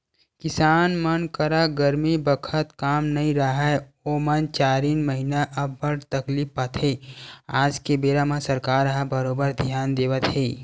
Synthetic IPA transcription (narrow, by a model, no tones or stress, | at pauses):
kɪsaːnmənkəɾaɡəɾmibəkʰət̪kaːmnɐĩɾəɦaomənt͡ʃaːɾiːnməɦinaʔəbːəɽt̪əklipːət̪ɦeaːd͡ʒkebeːɾamãsəɾkaːɾɦãbəɾoːbəɾd̪ʱjaːnd̪eːʋət̪ɦeː